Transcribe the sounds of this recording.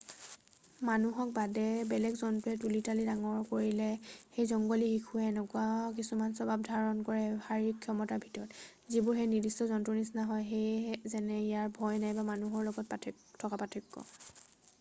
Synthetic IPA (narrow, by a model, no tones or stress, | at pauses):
manuɦɔk̚badɛbɛlɛɡzɔntuɛtulitalidaŋɔɹkoɹilɛxejzɔŋɡolixikʰuɛnɔkwak̬isumansɔbab̚dʱaɹɔnkɔɹɛbʱaɹikʰjɔmɔtabʱitɔɹɔt | zibʊɹxejnidistɔzɔntunisnaɦɔjxejzɛnɛijaɹbʱɔjnajbamanuɦɔɹlɔɡɔt̚a | tʰɔkapatʰɔkːɔ̰